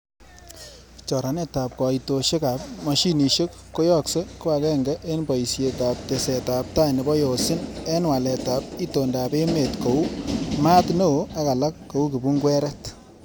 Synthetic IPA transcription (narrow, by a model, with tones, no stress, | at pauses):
t͡ʃɔ˨ɾa˨˦nɛ˦ta˨p̚kɔ˨ito˨ʃe˦ka˨p̚ma˨ʃi˦ni˨ʃe˦kːo˦jɔ˦˨kse˦ko˦a˨kɛ˦ŋɡɛ˦ʔe˦nbɔ˨jsje˨˧ka˨p̚te˨sɛ˨ta˨p̚ta˦nɪ˨bɔ˦jo˨sɪ˦ne˦nwa˨lɛ˨ta˨p̚i˦to˨nda˨be˦me˨tko˨u˦ma˦tno˦o˦a˦ka˨la˦kːo˨u˦ki˨bu˦ŋɡwɛ˦ɾɛ˦t